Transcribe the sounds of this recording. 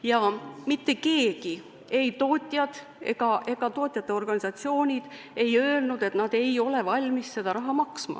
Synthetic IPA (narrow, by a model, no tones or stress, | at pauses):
jɑmit̪ːe̞ke̞ːɡ̥i | e̞jt̪o̞ːt̪ʲˑjɑd̪̥ | e̞̰ɡ̥ɑʔe̞ɡ̥ɑt̪o̞ːt̪ʲˑjɑt̪ˑːe̞o̞rɡ̥ɑnʲisɑt̪sio̞ːnʲid̪̥ | e̞jø̞ːelnud̪̥e̞t̪nɑd̪̥e̞jo̞le̞vɑlʲmisse̞d̪̥ɑɾɑɦɑmɑksmɑ̰